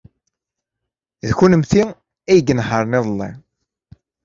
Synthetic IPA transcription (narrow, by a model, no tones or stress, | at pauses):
ðçunəmθi | æjɡənħəɾˤnɪðˤlˤːi